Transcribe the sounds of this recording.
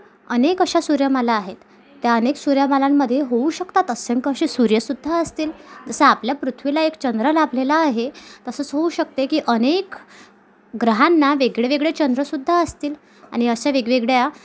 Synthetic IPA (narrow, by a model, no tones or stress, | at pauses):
ənekəɕasuɾjəmalaːɦet̪ː | jaəneksuɾjəmalamːəd̪ʱːjeɦouɕəkt̪at̪əsəŋkəɕisuɾjəsud̪ʱːaəst̪iːld͡zəsəapljapɾut̪ʰʋilaekt͡ɕənd̪ɾəlabʱlelaːɦet̪əsət͡sɦouɕək̚t̪ekiːʔənek | ɡɾəɦanːaʋeɡɭeʋeɡɭet͡ɕənd̪ɾəsud̪ʱːaəst̪iːl | a̰ɽ̃iəɕaʋeɡʋeɡɭja